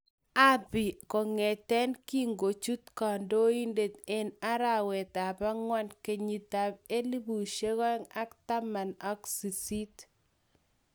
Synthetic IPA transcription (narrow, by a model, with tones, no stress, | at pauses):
a˦bi˨ko˨ŋe˨tɛ˦nki˦ŋɡo˨t͡ʃu˦t̪kɔ˨ndo˦i˦nde˨te˦na˦ɾa˨wɛ˨ta˨pa˦ŋwa˦nke˨ɲi˨ta˨be˦li˦bu˨ʃe˦ɣɔ˦ŋa˦kta˦ma˨nɔ˦ksi˨si˦t